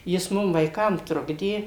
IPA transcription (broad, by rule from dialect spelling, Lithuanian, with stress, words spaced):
jɪs ˈmʊm ʋɐɪˈkɐm ˈtrʊɡdʲeː